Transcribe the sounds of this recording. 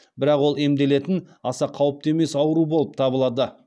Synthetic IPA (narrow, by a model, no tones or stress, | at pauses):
bɪɾɑqwo̞lˠe̞md̪e̞le̞t̪ɪnɑsɑqʰɑwəp̚t̪eme̞sɑwəɾubo̞lˠəp̚t̪ʰɑbəlˠɑd̪ə